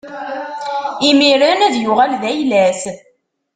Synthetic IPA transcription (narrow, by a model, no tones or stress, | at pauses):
imiɾænæðjʊʁælðæjlæs